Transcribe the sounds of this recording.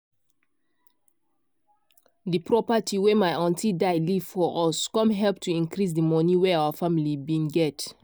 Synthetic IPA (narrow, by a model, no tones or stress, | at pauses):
dipɹɔpatʰiwemaɪʔɔ̃ntidaɪliv̥fɔʔɔskɔ̃mɦɛlptʰuĩnkɹis̬dimɔniweaafamilibĩnɡɛt